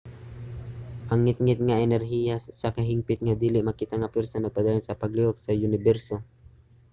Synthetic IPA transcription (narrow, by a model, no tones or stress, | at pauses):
ʔɐŋːɪt̪̚ŋɪt̪̚ŋaɛnɛɾɦijasakɐɦimpɪt̪̚ŋad̪iːlɪʔmɐkit̪aŋɐpɛɾsanɐɡ̚pad̪aːjonsɐpɐɡliok̚sɐjʊnɪbɛɾso